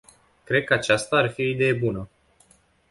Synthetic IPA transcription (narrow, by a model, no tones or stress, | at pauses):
kɾe̞d̪̚kəat͡ʃast̪aːrfiid̪e̞jebunə